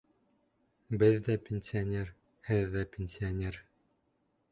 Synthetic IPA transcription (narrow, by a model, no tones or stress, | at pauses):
bɘðːæpʲenʲsʲɪɐnʲer | hɘðːæpʲenʲsʲɪonʲeɾ